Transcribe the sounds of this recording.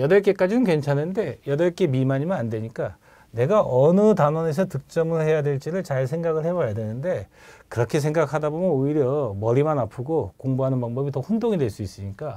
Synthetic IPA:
jʌdʌɭk͈e̞k͈ad͡ʑinɯnkwe̞nt͡ɕʰanɯnde̞jʌdʌɭk͈e̞mimaɲimɯnandwe̞ɲik͈a | ne̞ɡaʔʌnɯtanwʌne̞s̬ʰʌtɯk̚t͡ɕ͈ʌmɯɭhe̞jadwe̞ɭt͡ɕ͈iɾɯɭt͡ɕaɭsʰe̞ŋɡaɡɯɭhe̞bajadwe̞nɯnde̞ | kɯɾʌkʰe̞s̬ʰe̞ŋɡakʰadabomjʌnoiɾjʌmʌɾimanapʰɯɡokoŋbuɦanɯnpaŋbʌbitʌɸundoŋidwe̞ɭs͈uis͈ɯɲik͈a

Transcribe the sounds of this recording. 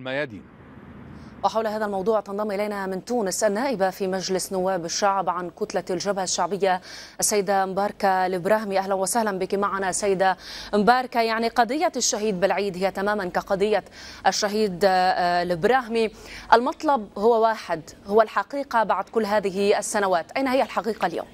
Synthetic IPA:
lmajaːd̪ḭː | wɪħawlhaːðalmɑwd̪ˤuːʕt̪ɑnd̪ˤɑmʔɪlajnamɪnt̪uːnɪsʔanːaːʔɪbafimad͡ʒlɪsnʊwːaːbɪʃːaʕbʕankʊt̪lalʒabhaʃːaʕbɪjːaʔasːajːɪd̪ambɑːɾˤkalʔɪbɾaːhmiʔaɦlanwasahlanbɪkimaʕanasːajːɪd̪aʔɪmbɑːɾˤkajaʕniqɑd̪ˤɨjːaʃːaɦiːd̪̚bɪlʕiːd̪ɦɪjːat̪amaːmankaqɑd̪ˤɨjːaʔaʃːaɦiːd̪lɪbɾɑːɦmiʔalmɑt̪ˤlɑb̚hʊwːawaːħɪd̪hʊwːalħɑqiːqabaʕd̪̚kʊlːɦaːðɪɦɪasːanawaːt̪ʔajnahɪjːalħɑqiːqalja̰ːm

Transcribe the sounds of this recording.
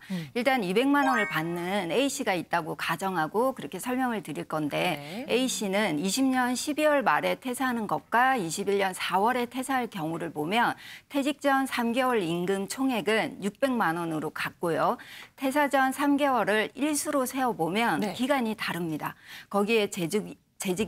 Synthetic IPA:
iɭt͈anibe̞ŋmanʌnɯɭpanːɯneiɕʰiɡait̚t͈aɡokad͡ʑʌŋɦaɡokɯɾʌkʰe̞sʰʌɭmjʌŋɯɭtɯɾiɭk͈ʌnde̞eiɕ͈ʰinɯniɕʰimɲʌnɕʰibiwʌɭmaɾe̞tʰe̞sʰaɦanɯnɡʌk̚k͈aiɕʰibiɭːʌnsʰawʌɾe̞tʰe̞sʰaɭkjʌŋuɾɯɭpomjʌntʰe̞d͡ʑik̚t͡ɕ͈ʌnsʰamɡe̞wʌɾiŋɡɯmt͡ɕʰoŋɦe̞ɡɯnjuk̚p͈e̞ŋmanʌnɯɾokak̚k͈ojotʰe̞s̬ʰad͡ʑʌnsʰamɡe̞wʌɾɯɾiɭsʰuɾosʰe̞ʌbomjʌnkiɡaɲitaɾɯmɲidakʌɡie̞ | t͡ɕe̞d͡ʑi

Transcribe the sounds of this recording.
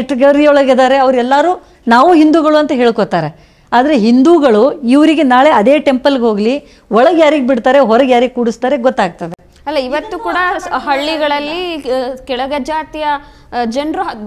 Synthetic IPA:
ʈːɡɐɾiɔɭɐɡed̪aːɾe̞ɐʋɐɾuɛlːaːɾuː | naːʋuɦind̪uːɡɐɭuɐnt̪ɐɦe̞ːɭkot̪aːɾe | aːd̪ɐɾe̞ɦind̪uːɡɐɭuiʋɐɾiɡe̞naːɭe̞ɐd̪e̞ːʈe̞mpɐlɡeɦoːɡli | ɔɭɐɡjaːɾiɡebiɽt̪aːɾeɦɔɾɐɡjaːɾiɡekuːɽist̪aːɾe̞ɡɔt̪ːaːɡ̚t̪ɐd̪e | ɐlːaiʋɐt̪ːukuːɽɐɦɐɭːiɡɐɭɐlːikɛɭɐɡɐd͡ʒaːt̪ijɐ | d͡ʒɐnɾu

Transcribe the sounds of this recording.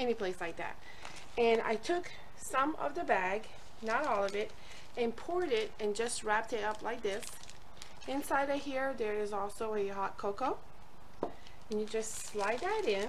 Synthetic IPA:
ɛnipʰl̥eɪslaɪk̚ðæ̰t̚ | ɨ̃na̰ɪtʰʊk | sʌ̃mʌ̰vðɨbæɡ | nəɾɔlˠʌvɪɾ | ɨ̃npʰʊɹɾɪɾɨ̃nd͡ʒʌst̚ɹæp̚tɨɾʌplaɪk̚ðɪs | ɪ̃nsaɪɾɨhiɹðə˞ɪzɔlˠsoʊɨɦɑt̚kʰoʊkoʊ | ɨ̃njɨd͡ʒʌstslaɪd̪̚ðɨɾɪ̃n

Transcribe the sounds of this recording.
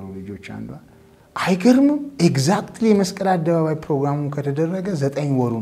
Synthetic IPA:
ulɨd͡ʒo̞t͡ʃːa̰nd̪wal | ʔajɡəɾɨmɨmeɡzakt̪lijɛməskʼəlad̪ːəβaβajpɾo̞ɡɾamukʰət̪ʰəd̪ərːəɡəzət̪ʼəɲːwɔɾun

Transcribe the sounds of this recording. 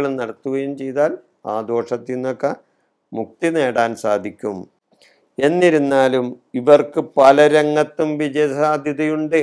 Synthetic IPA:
ɭnɐɽɐt̪ːuɣɐjumt͡ɕe̞jt̪aːl | a̰ːd̪o̞ːʂɐt̪ːinːokːɐ | muk̚t̪ine̞ːɽaːnsaːd̪ʱikʲːum | e̞nːiɾunːaːlumiʋɐrkɨpɐlɐɾɐŋːɐt̪ːumʋid͡ʑɐjɐsaːd̪ʱjɐðɐjuɳɖɨ

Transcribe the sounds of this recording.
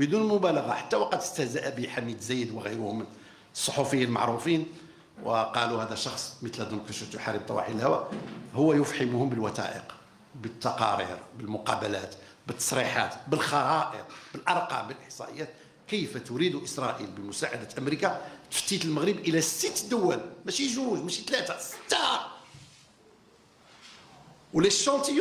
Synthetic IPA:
bəd̪unmʊbæləɣɑħat̪ːæwɑqɑd̪əst̪æhzæʔæbiħamid̪zæjːəd̪wəɣəjɾʊhʊmn | sˤːoħufəjːalma̰ʕɾˤufin | wəqɑluhæd̪æʃɑxsˤmət̪lhæd̪unkæʃəft̪jʊħaɾˤːəb̚t̪ˤɑwʔɑ̰ħinəlhæwæʔhʊwːæjʊfħəmuhʊmbəlwæt̪æ̰ʔə̰q | bət̪ːɑqɑ̰ɾḭɾbəlmʊqɑbælæt̪ | bət̪ːɑ̥sˤɾiħa̰t̪bəlxɑɾˤɑʔə̰q̪̚bəlʔɑɾˤqɑ̰mbəlʔəħsˤɑ̰ʔəjːæt̪ | kəjfæt̪ʊɾid̪uʔəsɾˤɑʔilbəmʊsaʕa̰d̪æt̪ʔəmɾikat̪ə̥ft̪it̪əlməɣɾəbʔəlæsət̪ːd̪ʊwːælmæʃiʒuʒmæʃit̪læt̪æsə̥t̪ːɾˤ | wlæʃɑt̪əj

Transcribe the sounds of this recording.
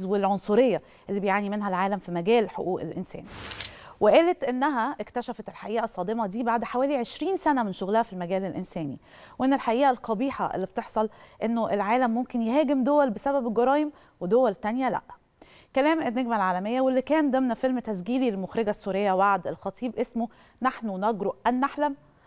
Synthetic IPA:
zwelʕonsˤuɾejːæ | ʔelːibejʕaːnimenɦælʕaːlæmfimæɡæːlħoʔuːʔḛlʔensæ̰ːnweʔæːlet̪ʔenːæɦæʔekt̪æʃæfæt̪elħaʔiːʔæsˤːɑːd̪emɑd̪iːbaʕd̪ħawæːliʕeʃɾiːnsænæmenʃoɣlæhæfilmæɡæːlelʔensæːnḭ | wʔenːelħaʔiːʔælqɑbiːħɑ̰ʔḛlːib̚t̪eħsˤɑlʔenːoʔelʕaːlæmːomkenjehæːɡemd̪owælbesæbæbelɡɑɾˤɑːjem | wed̪owælt̪ænjælæ̰ʔ | kælæːmʔenːeɡmælʕaːlæmejːæwelːikæːnd̪omnæfelmt̪æsɡiːlilmoxɾeɡæsːuːɾejːæwaʕd̪elxɑt̪ˤʰiːbʔesmo | naħnonɑɡɾoʔʔænːaħlæm

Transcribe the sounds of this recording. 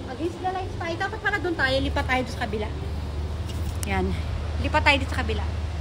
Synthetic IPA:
mɐɡislɐlajt̪sp̪aɪt̪aːpɐt̪̚pɐlɾɐd̪ʊnt̪aːjoliːpat̪ːaːjod̪ʊnsɐkɐbɪla | janliːpat̪ːaːjod̪ɪnsɐkɐbɪla

